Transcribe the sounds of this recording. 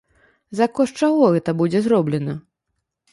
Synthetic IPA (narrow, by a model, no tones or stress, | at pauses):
zɐkɔʂt͡ʂaɣɔɣɛt̪ɐbud͡zʲɛzɾɔblʲɛnɐ